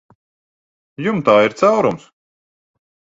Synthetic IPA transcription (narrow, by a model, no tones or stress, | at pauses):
jumt̪aːiɾt̪sawɾums